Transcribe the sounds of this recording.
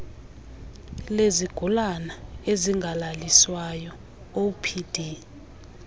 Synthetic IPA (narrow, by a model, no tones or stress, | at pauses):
leziɡ̥ʱulanaeziŋɡʱalaliswajɔ | opʰid̥ʱi